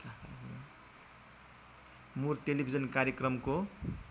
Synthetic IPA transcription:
murt̪elibʱid͡zʌnkaɾjekrʌmko

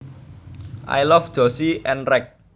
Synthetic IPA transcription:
ʔa̰jlɔfd̥ʒ̥ɔsiʔɛnrɛk̚

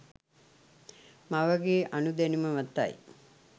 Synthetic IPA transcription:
maʋɐɡeːʔɐnud̪enimɐʋɐt̪ːa̰j

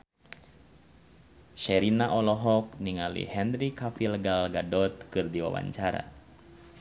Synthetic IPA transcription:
ʃɛɾinaʔɔlɔɦɔk̚niŋalḭhɛnrikafilɡalɡadɔt̪̚kɨrdiwa̰wa̰ɲt͡ʃaɾa̰

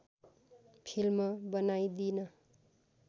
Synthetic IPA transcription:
pʰilmʌbʌnajd̪inʌ

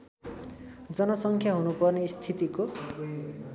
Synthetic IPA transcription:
d͡zʌnʌsʌŋkʰjaɦunupʌrnest̪ʰit̪iko

